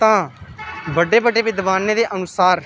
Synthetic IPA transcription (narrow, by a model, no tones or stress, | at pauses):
t̪ãː | bəɖeːbəɖeːʋɪd̪ʋaːnːeːd̪eːʔənʊsaːɾ